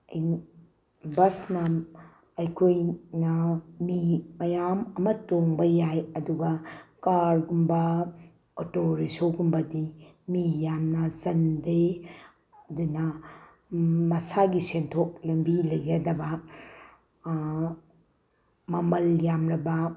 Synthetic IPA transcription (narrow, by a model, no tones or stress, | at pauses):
ɐj | bɐsnɐ | ɐjkʰojnɐmimɐjamɐmɐtoŋbɐjajɐduɡɐkaɾɡumbɐ | otoɾisowɡumbɐdi | mijamnɐzɐnde | ɐdunɐ | mɐsaɡisentʰok̚lɐmbilɐjd͡ʒadɐbɐ | mɐmɐljamɾɐbɐ